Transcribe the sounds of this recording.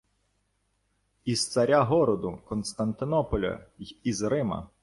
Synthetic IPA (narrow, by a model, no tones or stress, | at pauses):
izt̪sɐɾʲaɦɔɾɔd̪ʊkɔnst̪ɐnt̪ɪnɔpɔlʲɐ̰izɾɪmɐ̰